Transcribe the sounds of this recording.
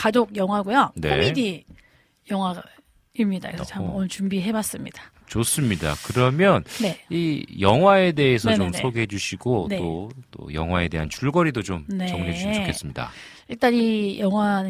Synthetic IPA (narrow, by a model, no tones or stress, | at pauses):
kad͡ʑoɡ̚jʌŋɦwaɡujone̞o̰idi | jʌŋɦwa | imɲidakeʌambʌnʌnɯt͡ɕumbiɦe̞bas͈ɯmɲid̥ḁ | t͡ɕos͈ɯmɲida̰kɯɾʌmjʌnne̞ijʌŋɦwae̞de̞esʰʌt͡ɕomsʰoɡeɦed͡ʑuɕʰiɡoneot͈o̰jʌ̰ŋɦwae̞de̞ɦant͡ɕuɭɡʌɾidot͡ɕomnet͡ɕʌŋned͡ʑud͡ʑokʰe̞ss͈ɯmɲida̰ | iɭt͈aɲijʌŋwan